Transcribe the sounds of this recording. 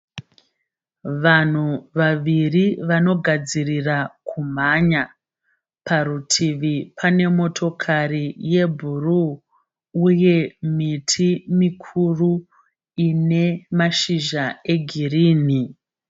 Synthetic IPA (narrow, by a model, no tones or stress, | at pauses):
ʋan̤uʋaʋiriʋano̞ɡʱad͡zirirakʰum̤aɲa | pʰaɾutʰiʋipʰane̞mo̞tʰo̞kʰarije̞bʱuruː | je̞mitʰimikʰuru | ine̞maʃiʒae̞ɡʱiriːni